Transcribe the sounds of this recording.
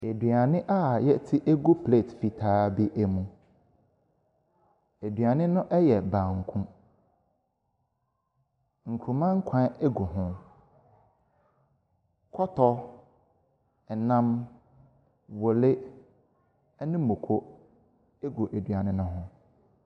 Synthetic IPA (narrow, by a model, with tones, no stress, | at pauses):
e˨dɥa˨nɪ̃˦ʔa˦jɛ˦tʰi˦ʔe˦ɡo˦pʰle˦˨tfi˨tʰaː˦bi˦ʔæ˦mũ˨ | e˨dɥa˨nɪ̃˦nʊ̃˦ʔɛ˦jɛ˨bã˨ŋ̩˨kʰʊ̃˦ | ŋ̩˨kʰũ˨mã˦ŋ̩˦kʷʰã˦ɛ˦ɡo˨ɦʊ̃˦ | kʰɔ˦tʰɔ˦ | ɛ˨nã˦m | wɔ˨le˦ | ɛ˦nɪ̃˦mo˨kʰo˦ | e˦ɡo˨ʔe˨dɥa˨nɪ̃˦nʊ̃˦ɦʊ̃˦